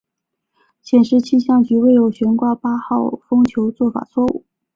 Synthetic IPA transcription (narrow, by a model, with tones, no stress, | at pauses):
ɕjɛ˨˩nʂɻ̩˥t͡ɕʰi˥ɕjɑ˥˩ŋt͡ɕy˧˥we˥˩ɪjo˨˥˩ʊɕɥɛ˧˥nkwa˥˩pa˥xɑ˥˩ʊfɤ˥ŋt͡ɕʰjo˧˥ʊt͡swɔ˥˩fa̰˨˩t͡sʰwɔ˥˧ṵ˥˩